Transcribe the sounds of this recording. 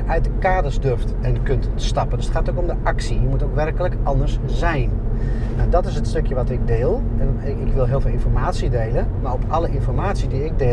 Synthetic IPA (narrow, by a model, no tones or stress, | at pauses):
ʔœɥt̚dəkaːdəzdørftɛnkønt | stɑpəndsətχaːtokomdəʔɑksijəmutowkʋɛrkələkʔɑndəɹszɛjn | nawdɔtɪsətstɵkjəʋɑtɪɡ̚deːlˠɛn | ɪkʋɪlˠɦɪːlˠvɪːlˠɪ̃nfɔrmaːtsidejlənmaɹɔpɑləʔɪnfɔrmaːtsidiɪɡ̚de